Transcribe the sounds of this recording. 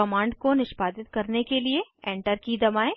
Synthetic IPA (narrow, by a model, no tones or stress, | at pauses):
ɐmãːɳɖkonɪʃbaːd̪ɪt̪̚kɐɾnekelieɛ̃ːɳʈəɾkid̪ɐmaːe